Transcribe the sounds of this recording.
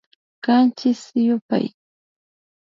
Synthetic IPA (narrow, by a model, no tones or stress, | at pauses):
kant͡ʃɪsjʊpa̰j